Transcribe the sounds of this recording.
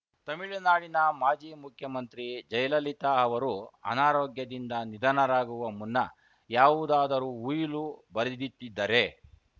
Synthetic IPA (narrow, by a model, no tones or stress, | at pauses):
t̪ɐmiɭinaːɽinɐmaːd͡ʒiːmukʰjɐmɐnt̪ɾid͡ʒɐjlɐlit̪aɐʋɐɾuɐ̰naːɾoːɡjɐd̪ind̪ɐnid̪ɐnɐɾaːɡuʋɐmunːɐ | jaːʋud̪aːd̪ɐɾuːjlubɐɾid̪it̪ːid̪ːɐɾe̞